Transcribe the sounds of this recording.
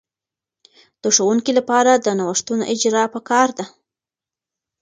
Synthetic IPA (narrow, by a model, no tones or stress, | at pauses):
d̪̥əʂowuŋkilapɑɾad̪ənawəʂt̪unoʔɪd͡ʒɾɑpəkɑɾd̪a